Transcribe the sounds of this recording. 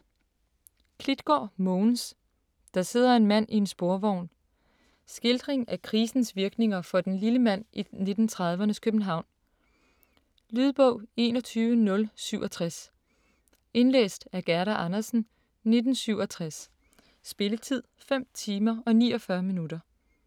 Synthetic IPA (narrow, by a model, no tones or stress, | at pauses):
kʰlid̥ɡ̥ɒ̰ːmɔːns | d̥ɑ̈se̝ð̞̰ˠɐe̝nmæn̰ʔie̝nsb̥o̝ɐʋɒʊ̰n | sɡ̥eld̥ʁeŋækʰʁiːsn̩sʋiɐɡ̥ne̝ŋɐfɒ̽d̥enliləmæn̰ine̝d̥n̩t͡sʰʁɑ̈ð̞ˠʋɐnəkʰøb̥n̩ɦɑ̈ʊ̰n | lyð̞ˠb̥ɔʊ̰e̝ːnɒt͡sʰyːʋənɔ̽lsyʊʔɒ̽t͡sʰʁas | e̝nlḛːsd̥æɐɡ̥æɐɾæʔɑnɐsn̩ | ne̝d̥n̩syʊ̰ɒt͡sʰʁasː | b̥e̝lət͡sʰið̞̰ˠfem̰t͡sʰiːmɐɒ̽nḭːɒ̽fɶɐminuɾ̥ɐ